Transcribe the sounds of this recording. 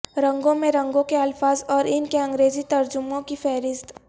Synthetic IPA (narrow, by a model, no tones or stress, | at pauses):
ɾɐ̃ŋɡõmẽɾɐ̃ŋɡõkeɐlfaːzɔːɾɪnkeɐ̃ŋɡɾeːzit̪ɐɾd͡ʒʊmõkifɛːɾɪst̪